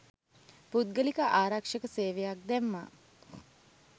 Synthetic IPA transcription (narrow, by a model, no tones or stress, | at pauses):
put̪̚ɡəlikəʔaːɾakʂəkəseːʋejak̚d̪ɛmːa̰ː